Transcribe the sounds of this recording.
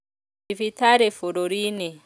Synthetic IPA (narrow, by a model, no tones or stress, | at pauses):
ifit̪aɾefoɾoɾine